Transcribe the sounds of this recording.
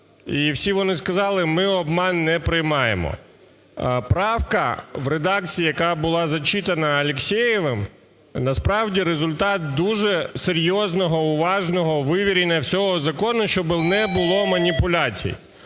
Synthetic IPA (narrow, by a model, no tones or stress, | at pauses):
iwsʲiʋɔnɪskɐzɑlˠɪmɪɔbmɑnːɛpɾɪjmɑjḛmɔ̰ | pɾɑwkɐʋɾed̪ɑkt͡sʲijijɐkɑbʊlˠɑzɐt͡ʃit̪ɐnɐɐlʲeksʲɛjɪʋɪm | nɐspɾɑwdʲiɾezʊlʲt̪ɑt̪̚d̪uʒɛseɾʲjɔznɔɦɔʊʋɑʒnɔɦɔʋɪʋʲiɾʲinʲːɐwsʲɔɦɔzɐkɔnʊʃt͡ʃɔbɪnɛbʊlˠɔmɐnʲipʊlʲat͡sʲḭjḭ